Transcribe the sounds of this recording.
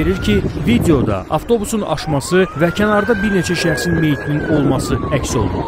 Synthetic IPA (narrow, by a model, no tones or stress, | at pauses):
eɾiɾcʰivid̪eo̞d̪ɑ̰ʔɑ̰ft̪ʰo̞busunɑ̰ʃmɑsɯvæcʰænɑɾd̪ɑbiɾne̞t͡ʃʰæʃæxsinme̞jit̪ʰinino̞lˠmɑsɯæcso̞̰lˠṵɾ